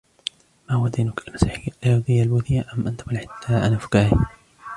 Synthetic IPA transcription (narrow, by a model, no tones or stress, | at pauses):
maːhʊwad̪iːnʊkalmasiːħɪjːaljuːd̪ɪjːalbuːðɪjːaʔamʔant̪amalħɪt̪ːaʔanafʊɡaːhi